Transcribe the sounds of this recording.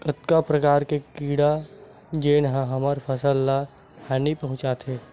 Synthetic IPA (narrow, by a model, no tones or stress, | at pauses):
ɪt̪kapɾəkaːɾkekiːɽa | d͡ʒeːnɦãɦɐməɾpʰəsəlːa | hɛːnipɐɦʊ̃t͡ʃat̪ʰɦeː